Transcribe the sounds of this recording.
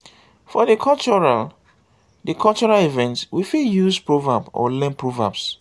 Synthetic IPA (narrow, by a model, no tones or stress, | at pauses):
fɔdəkʰɔt͡ʃɔɹal | dəkʰɔlt͡ʃɔɹalivɛ̃ntwifijuspɹovabɔ̰lɛ̃npʰɹova̰bs